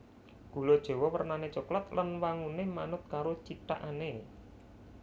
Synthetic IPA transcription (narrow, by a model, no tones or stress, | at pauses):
ɡ̥ṳlod̥ʒ̥e̤wɔwərnanet͡ʃoklat̪lanwaŋunemanʊt̪̚kaɾot͡ʃit̪a̰ʔane